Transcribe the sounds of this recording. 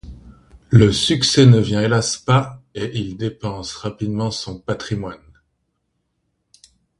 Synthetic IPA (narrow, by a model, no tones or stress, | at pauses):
ləsyksɛnəvjɛ̃elaspaeʔild̪epɑ̃sʁapid̪mɑ̃sɔ̃pat̪χimwan